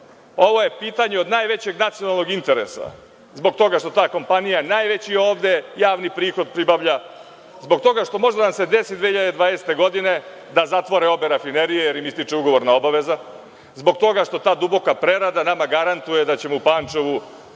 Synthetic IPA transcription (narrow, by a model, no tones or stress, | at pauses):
oʋo̞je̞piːt̪aɲeo̞d̪najʋe̞t͡ɕe̞ɡnat̪sijo̞nalˠno̞ɡint̪e̞ɾḛsa̰ | zbo̞ɡt̪o̞ɡaʃt̪o̞t̪aːko̞mpanijanajʋet͡ɕioːʋd̪e̞jaːʋnipɾiːxo̞d̪̚pɾibaʋʎa | zbo̞ɡt̪o̞ɡaʃt̪o̞mo̞ʒd̪anamse̞d̪esid̪ʋehiʎad̪ed̪ʋaːnest̪e̞ɡo̞d̪ine̞ | d̪azat̪ʋoɾeo̞beɾafineɾijejeɾimist̪it͡ʂeuɡoʋo̞ɾnao̞baʋe̞za | zbo̞ɡt̪o̞ɡaʃt̪o̞t̪aːd̪ubo̞kapɾeɾad̪anamaɡaɾant̪ujed̪at͡ɕe̞moupaːnt͡ʂeʋu